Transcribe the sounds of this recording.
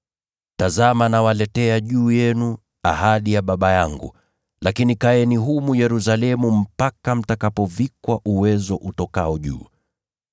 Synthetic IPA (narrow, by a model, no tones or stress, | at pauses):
tazamanawalɛtɛaʄuːjɛnu | a̰haɗijaɓaɓajaŋɡṵ | lakinikaɛniɦumujɛɾusalɛmum̩pakam̩takapɔvikwaʔuwɛzɔʔutɔkaɔʄṵː